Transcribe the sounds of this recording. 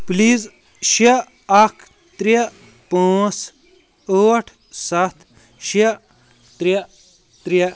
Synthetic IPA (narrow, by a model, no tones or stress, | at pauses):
pliːz | ʃi | ɐkʰ | t̪ɾi | põːt͡s | oːʈʰ | sɐt̪ʰ | ʃi | t̪ɾi | t̪ɾi